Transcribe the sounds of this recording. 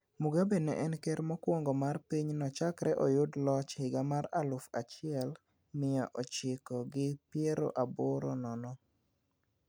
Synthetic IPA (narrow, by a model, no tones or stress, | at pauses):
muɡabenɛ̰ʔɛnkɛɾmɔkwoŋɡɔmarpiɲnɔt͡ʃakɾɛʔɔjʊdlɔt͡ʃhɪɡamaɾalʊfat͡ʃɪɛl | mɪɔʔɔt͡ʃɪkɔɡɪpjeɾo̰ʔabɔɾɔnɔnɔ